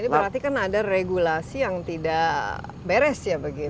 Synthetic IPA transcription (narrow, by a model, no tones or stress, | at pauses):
dibəɾart̪ikanadareɡulasijaŋt̪ida | beɾɛsjabəɡit̪